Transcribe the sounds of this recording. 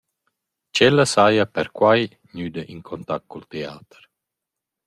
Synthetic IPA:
t͡ʃɛlːəsajapɛɾkwaj | ɲyːd̪əʔiŋkʰɔnt̪ak̚kɔlt̪eaːt̪ə̥ɾ

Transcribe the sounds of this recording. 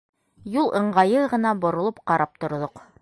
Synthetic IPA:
julˠʔɤ̆ɴɢɑjɤʁɤ̆nɑbŏɾŏlˠɤp̚qɑɾɑp̚t̪ŏɾðoq

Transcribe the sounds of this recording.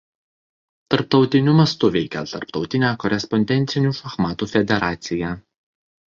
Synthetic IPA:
t̪ɐɾp̚t̪ɒʊt̪ʲɪnʲʊmɐst̪ʊʋʲɛɪkʲɛt̪ɐ̰ɾpt̪ɒʊt̪ʲɪnʲæːkɔɾʲɛspɔnʲd̪ʲɛnʲt̪sʲɪnʲuːʃɐxmɑːt̪uːfʲɛd̪ʲɛɾɑːt̪sʲɪjæː

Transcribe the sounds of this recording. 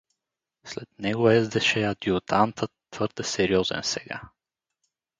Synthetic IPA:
slɛt̪nɛɡoɛzd̪ɛʃɛɐd̪iʊt̪ant̪ət̪ːv̥ɤɾd̪ɛsɛɾiɔzɛ̰nsɛɡa̰

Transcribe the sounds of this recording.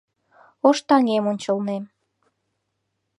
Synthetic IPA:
oʃt̪ɑŋemonʲt͡ɕəlnem

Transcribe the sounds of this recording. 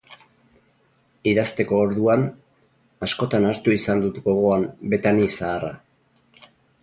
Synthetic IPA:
iðast̪e̞ko̞ːɾðuan | asko̞t̪anaɾt̪uisand̪ut̪ɡo̞ɣo̞ambe̞t̪anisaːra

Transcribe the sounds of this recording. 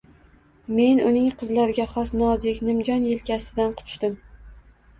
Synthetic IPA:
me̞nʊnɪŋqʰɨzlaɾɪɡʲaχɒsnɒzɪkʲnɪmd͡ʒɒnjelkʲasɪd̪anqʰʊ̥t͡ʃt̪ɪm

